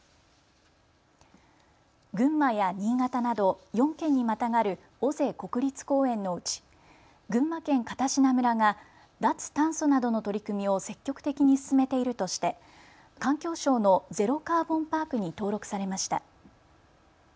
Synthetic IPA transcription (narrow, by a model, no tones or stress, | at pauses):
ɡɯ̟̃mːajaɲ̟iːŋat̪anad̪o̞jõ̞ŋkẽ̞ɲ̟ːimat̪aŋaɾɯ̟ | o̞ze̞ːko̞kɯ̟ɾʲit͡sɨ̥ko̞ːẽ̞nːo̞ɯ̟t͡ɕi̥ | ɡɯ̟̃mːakẽ̞ŋkat̪aɕinamɯ̟ɾaŋa | d̪at͡sɨ̥t̪ãɰ̃sonad̪o̞no̞t̪o̞ɾʲikɯ̟mʲio̞se̞kʲːo̞kɯ̟t̪e̞kʲiɲ̟isɨ̥sɨme̞t̪e̞iɾɯ̟t̪o̞ɕi̥t̪e̞ | kãŋkʲo̞ːɕo̞ːno̞ze̞ɾo̞kaːbõ̞mpaːkɯ̟ɲ̟it̪o̞ːɾo̞kɯ̟saɾe̞maɕi̥t̪a̰